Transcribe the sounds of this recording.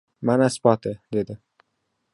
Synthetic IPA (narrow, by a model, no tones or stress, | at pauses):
manaspɒt̪ʰɪd̪e̞d̪ɪ